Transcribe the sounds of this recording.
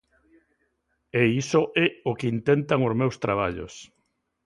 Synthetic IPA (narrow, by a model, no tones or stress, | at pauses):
eisoʔɛokint̪ent̪aŋozmewst̪ɾaβ̞aʎo̰s